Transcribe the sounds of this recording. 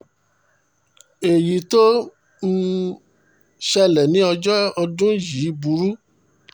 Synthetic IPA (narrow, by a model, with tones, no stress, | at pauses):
e˨ji˨to˦ | n̩˦ | ʃɛ˧lɛ˨nĩ˦ɔ˧d͡ʒɔ˦ɔ˧dũ˦ji˨˦bu˨˧˦ɾu˦